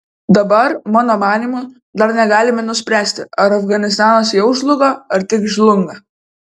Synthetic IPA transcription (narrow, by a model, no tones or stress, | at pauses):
d̪ɐbɐɾmɑːnoːmɑːnʲiːmʊ | d̪ɐɾnʲɛɡɑːlʲɪmʲɛnʊsʲpʲɾʲæːsʲt̪ʲɪɐɾɐfɡɐnʲɪs̬t̪ɑːnosjɛʊʒʲlˠʊɡɐɐɾt̪ʲɪkʒʲlˠʊŋɡɐ